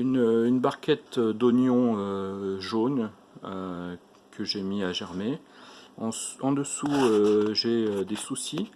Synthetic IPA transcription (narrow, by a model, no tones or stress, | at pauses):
ynøynbaʁkʲɛt̪ød̪ɔnjɔ̃øʒon | ø | kʰəʒemiaʒɛʁme | ɑ̃sɑ̃d̪əsuøʒeød̪esusi